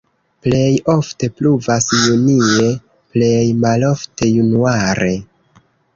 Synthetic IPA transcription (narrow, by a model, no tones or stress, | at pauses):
ple̞jo̞fte̞pluvasjunie̞ | ple̞jmalo̞fte̞junuaɾe̞